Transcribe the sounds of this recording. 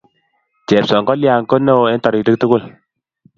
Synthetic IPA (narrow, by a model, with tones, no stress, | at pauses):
t͡ʃɛ˨psɔ˨ŋkɔ˦lja˨ŋko˦ne˦o˨ɛ˦ntɔ˨ɾɪ˨tɪ˦k̚tʊ˦kʊ˦˨l